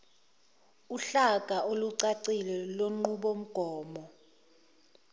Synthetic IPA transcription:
uɬakʼaʔoluǀaǀilɛloŋ͡ǃuɓom̩ɡ̥ʱɔːmɔ

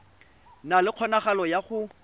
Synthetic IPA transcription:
nalɪq͡χʰɔnaχalɔjaχʊ

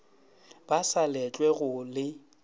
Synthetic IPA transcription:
b̥asalɛt͡ʃʼwɛɣʊlɪ

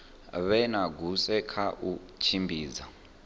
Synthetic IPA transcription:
βɛnaɡusɛkʰaʔu | t͡ʃʰimbiːd͡za

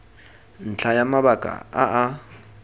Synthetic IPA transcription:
n̩t͡ɬʰajamaβakʼa̰aʔa

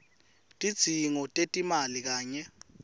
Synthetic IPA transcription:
tʼid̥z̥ʱiŋɔtʼetʼimalik̬aːɲɛ

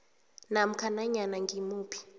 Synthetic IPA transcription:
nam̩kʰanaɲanaŋɡimuːpʰi̥

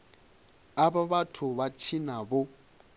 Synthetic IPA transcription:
abaβatʰʊβat͡ʃʰinabʊ

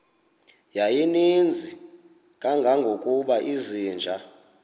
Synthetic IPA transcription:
jajinind͡zʱi | kʼaŋɡʱaŋɡʱokʼuɓaʔiziːnd͡ʒʱa

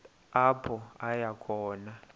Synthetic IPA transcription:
apʰɔajakʰɔːna

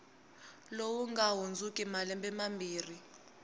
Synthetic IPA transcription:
lowuŋɡaɦund͡zukʼimalɛmbɛmambiːri

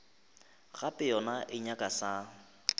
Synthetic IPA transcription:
ɣapʼɪjɔnaʔɪɲakʼasa

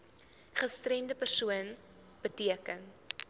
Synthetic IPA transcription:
χəstrɛndəpərsuən | b̥ətiəkən

